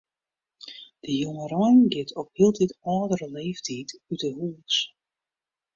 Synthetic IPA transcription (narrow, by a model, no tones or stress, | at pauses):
d̥əjoŋərɔjnɡɪtʰɔphilˠtitɔːdərəleːftʰitydəhuːs